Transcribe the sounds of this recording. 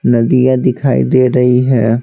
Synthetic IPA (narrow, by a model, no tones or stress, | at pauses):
nəd̪ijãːd̪ɪkʰaːḭd̪eːɾəiːɦɛː